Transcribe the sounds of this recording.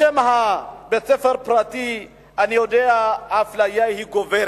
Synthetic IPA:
emaɦabet͡sefaɾpɾat̪i | aniodeaːflajajhiɡoveɾ

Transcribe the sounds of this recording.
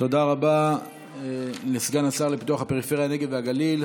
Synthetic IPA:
t̪o̞d̪aʁaba | lesɡanasaʁlepi̥t̪uaχapeʁife̞ʁjane̞ɡed̪veaɡalil

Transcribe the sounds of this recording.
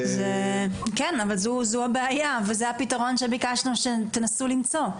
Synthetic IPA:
zekɛnavalzuzuabeajavezehapitaʁo̞nʃe̞bikaʃnuʃet̪enasulimt͡so̞

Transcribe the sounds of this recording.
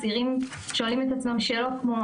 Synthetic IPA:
ziʁim | ʃoalimet̪at͡smamʃelokmo

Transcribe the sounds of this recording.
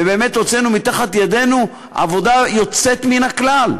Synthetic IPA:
ebeːme̞t̪ʁot͡senumit̪aχat̪jade̞nu | a̰vo̞dajo̞t͡se̞t̪minaklal

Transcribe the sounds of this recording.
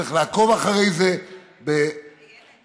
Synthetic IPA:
iχlaako̞vaχaʁe̞jze | be

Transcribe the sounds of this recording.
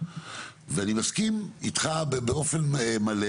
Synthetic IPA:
veanimaskimitχabebeo̞fenmale

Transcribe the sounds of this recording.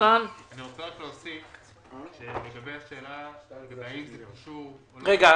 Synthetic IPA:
ananiʁot͡seʁakloːsif | ʃeleɡabejaʃeːlaɡaeaimziaʃu | ʁeɡa

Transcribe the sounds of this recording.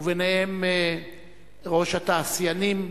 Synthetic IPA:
venehem | ʁo̞ʃhat̪aːsjanim

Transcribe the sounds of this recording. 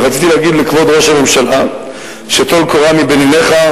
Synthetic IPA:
ʁat͡sit̪ileːɡid̪likvo̞d̪ʁo̞ʃhame̞mʃala | ʃet̪olkoʁamibenine̞χa

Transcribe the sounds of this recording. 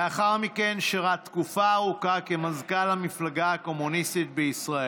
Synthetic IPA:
aχaʁmikenʃiʁat̪kufaːʁukake̞mazkalamiflaɡaːko̞munist̪it̪̚beisʁae

